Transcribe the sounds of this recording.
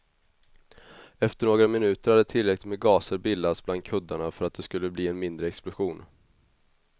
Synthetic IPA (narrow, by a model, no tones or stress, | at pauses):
ɛft̪əɳoːɡɾamɪnʉ̟ːt̪əɾhad̪ɛt̪ʰɪlːɾɛklɪt̪mɛːɡɑːsəɾbɪlːasbland̪̚kʰɵd̪ːaɳafœɾat̪̚d̪ɛskɵlːəbliːɛnmɪnd̪ɾəɛksplʊɧuːn